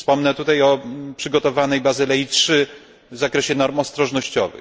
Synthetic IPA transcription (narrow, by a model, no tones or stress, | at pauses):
fspɔmnɛt̪ut̪ajɔpʂɘɡɔt̪ɔvanɛjbazɨlɛjitʂɘ | vzakɾɛɕɛnɔɾmɔst̪ɾɔʐnɔɕt͡ɕɔ̰vɘ̰